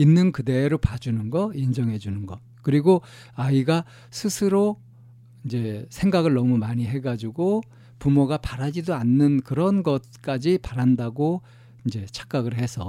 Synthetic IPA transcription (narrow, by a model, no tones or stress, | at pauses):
inːɯnkɯde̞ːɾopad͡ʑunɯnɡʌind͡ʑʌŋɦe̞d͡ʑunɯnɡʌ | kɯɾiɡo | aiɡa | sʰɯsʰɯɾo | ind͡ʑe̞sʰe̞ŋɡaɡɯɭnʌmumaɲiɦe̞ɡad͡ʑuɡo | pumoɡapaɾad͡ʑidoanːɯnkɯɾʌnɡʌt̚k͈ad͡ʑipaɾandaɡo | ind͡ʑe̞t͡ɕʰḁk͈̚aɡɯɭhe̞sʰʌ